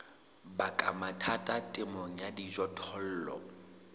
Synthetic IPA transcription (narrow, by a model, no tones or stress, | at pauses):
bakʼamatʰatʼatʼɪmɔŋ̩jadid͡ʒɔtʰɔl̩ːlɔ̰